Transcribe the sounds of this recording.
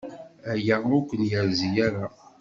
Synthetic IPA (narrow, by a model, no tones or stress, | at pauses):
æjəʊkʷːənjəɾzijæɾa